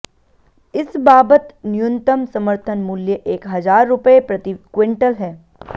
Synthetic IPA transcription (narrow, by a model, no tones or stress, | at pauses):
ɪsbaːbət̪nɪjʊ̃nt̪əmsɐməɾt̪ʰənmuːljəʔeːkɦɐzaːɾːʊpepɾɐt̪ɪkwɪ̃ɳʈəlɦɛː